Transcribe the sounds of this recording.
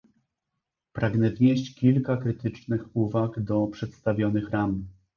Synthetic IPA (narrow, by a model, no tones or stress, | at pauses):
pɾaɡnɛvɲeɕt͡ɕkʲilkakɾɘt̪ɘt͡ʂnɘxuvakd̪ɔpʂɛt̪st̪avʲjɔnɘxɾam